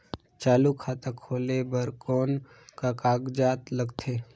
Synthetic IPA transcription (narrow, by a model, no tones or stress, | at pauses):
t͡ʃaːlukʰaːt̪akʰoːlebəɾkɔːn | kakaːɡd͡ʒaːt̪ləɡt̪ʰeː